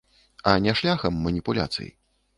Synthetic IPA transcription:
ɐnʲɛʂlʲaxɐmːɐnʲipulʲa̰t̪sɨ̰jḭ

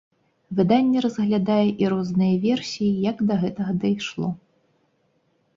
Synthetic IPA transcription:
vɨd̪anʲːɛɾɐzɣlʲad̪ajɛʔiɾɔznɨjɐvʲɛrsʲijijɐɡd̪ɐɣɛt̪ɐɣɐd̪ɐjʂlˠɔ

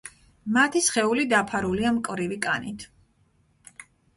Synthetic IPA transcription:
mat̪ʰisχɛulid̪apʰaɾuliamkʼvɾivikʼa̰nḭt̪ʰ

